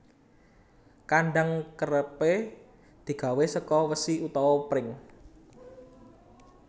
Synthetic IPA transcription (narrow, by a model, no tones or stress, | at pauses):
kaɳɖaŋkəɾəpe | d̪̥i̤ɡ̥a̤wesəkɔwəsiut̪ɔwɔpɾɪŋ